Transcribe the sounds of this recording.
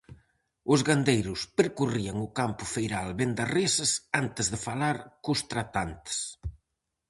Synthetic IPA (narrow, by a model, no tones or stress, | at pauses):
ʊzɣand̪ejɾuspəɾkuriaŋukampufejɾalβend̪aresəsant̪əzðəfalaɾkust̪ɾat̪ant̪s